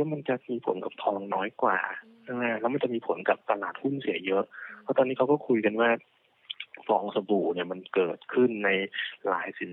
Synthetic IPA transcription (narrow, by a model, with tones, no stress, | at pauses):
ma˧nt͡ɕa˨˩miː˧pʰo̰˩˦nka˨˩p̚t̪ʰɔː˧ŋnɔː˦˥jkwa̰ː˨˩ | ʔːa˧˩lɛː˦˥wma˧nt͡ɕa˨˩ʔmiː˧pʰo˩˦nka˨˩p̚t̪a˧laː˨˩t̪̚hu˥˩nsi˨˩˦ɐjɤ˦˥ʔpʰɔ˦˥t̪ɔː˧niː˦˥kʰa˦wkɔː˥˩kʰu˧jka˧nwaː˥˩ | fɔː˧ŋsa˧buː˨˩niː˥˩ɐma˧nkɤː˨˩t̪̚kʰɯ˥˩nːa˧jla̰ː˩˦jsi˨˩˦